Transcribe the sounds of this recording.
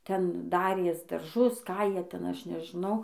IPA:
ˈtʲɛn ˈdɑːrʲeːs dɐrˈʒʊs ˈkɑː ˈjiɛ ˈtʲɛn ˈɐʃ nʲɛʒʲɪˈnɐʊ

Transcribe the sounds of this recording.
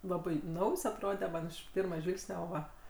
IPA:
ˈlˠɑːbɐɪ ˈnɐʊjs ɐtˈroːdʲɛ ˈmɐn ˈɪʃ ˈpʲɪrmɐˈʒʲʋʲɪlˠksʲnʲɛ ˈoː ˈʋɐ

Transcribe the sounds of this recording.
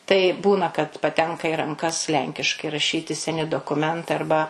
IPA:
tɐɪ ˈbuːnɐ kɐt pɐˈtʲɛŋkɐ ɪ rɐŋˈkɐs ˈlʲɛŋʲkʲɪʃkɐɪ rɐˈʃʲiːtʲɪ sʲɛˈnʲɪ doːkʊˈmʲɛntɐɪ ɐrˈbɐ

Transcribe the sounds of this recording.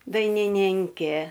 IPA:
dɐɪnʲɪˈnʲɪŋʲkʲeː

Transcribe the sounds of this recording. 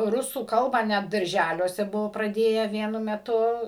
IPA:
ˈrʊsuː ˈkɐlˠbɑː nʲɛt dɐrʲˈʒʲælʲuɔsʲɛ ˈbʊʋoː prɐˈdʲeːjæː ˈʋʲiɛnʊ mʲɛˈtʊ

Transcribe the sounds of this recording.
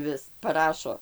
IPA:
ˈʋʲɪs pɐˈrɑːʃoː

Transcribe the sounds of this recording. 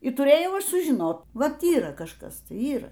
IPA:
ɪ tʊˈrʲeːjɛʊ ˈɐʃ sʊʒʲɪˈnoːt ˈʋɐt ˈiːrɐ kɐʃˈkɐs ˈtɐɪ ˈiːrɐ

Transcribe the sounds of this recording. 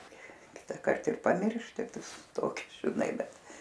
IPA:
ˈkʲɪtɐkɐrt ɪr pɐˈmʲɪrʲʃʲtʲɪ ˈtoːkʲɪ ʒʲɪˈnɐɪ ˈbʲɛt

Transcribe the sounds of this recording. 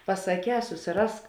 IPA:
pɐsɐˈkʲɛː sʊsʲɪˈrɐsk

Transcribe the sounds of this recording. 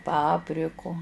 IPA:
ˈpɑːpʲrʲɪkʊ

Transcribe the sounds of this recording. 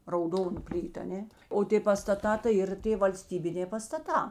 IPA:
rɐʊˈdoːnʊ ˈpʲlʲiːtʊ ɐˈnʲeː oː ˈtʲeː pɐstɐˈtɑː tɐɪ ˈiːr ˈtʲeː ʋɐlʲˈsʲtʲiːbʲɪnʲeː pɐstɐˈtɑː

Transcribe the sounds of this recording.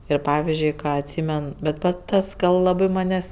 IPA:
ˈɪr ˈpɑːʋʲɪzʲd͡ʒʲʊɪ ˈkɑː ɐtʲˈsʲiːmʲɛn bʲɛt ˈpɐt ˈtɐs kɐt lˠɐˈbɜ ˈmɑːnʲeːsʲ

